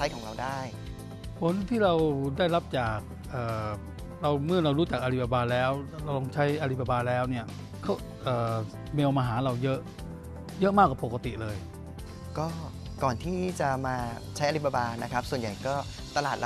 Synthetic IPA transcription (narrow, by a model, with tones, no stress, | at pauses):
t͡ɕʰa˦˥jkʰɔː˩˦ŋɾa˧wdaː˥˩j | kʰo˦˥nt̪ʰiː˥˩ɾa˧wdaː˥˩jla˦˥p̚t͡ɕaː˨˩k̚ʔɤː˨˩ | ɾa˧wmɯ˥˩ɾa˧wɾuː˦˥t͡ɕa˨˩k̚ʔa˧ɾi˦˥˩p̚ːa˧baː˧lɛː˦˥wɾa˧wlo˧ŋt͡ɕʰa˦˥jʔa˧ɾi˦˥˩p̚ːa˧baː˧lɛː˦˥wni˥˩ɐ | kʰa˦˥w | ʔɤː˨˩ | meː˧wmaː˧ɦaː˩˦ɾa˧wjɤ˦˥ʔ | jɤ˦˥ʔmaː˥˩k̚wa˧˩po˨˩ka˧t̪ḭ˨lɤː˧j | kɔː˥˩ | kɔː˨˩nt̪ʰiː˥˩t͡ɕa˨˩maː˧ | t͡ɕʰa˦˥ʔa˧ɾi˦˥p̚a˧baː˧na˦˥kʰa˦˥p̚su˨˩ənja˨˩jkɔː˥˩ | t̪a˧laː˨˩t̪̚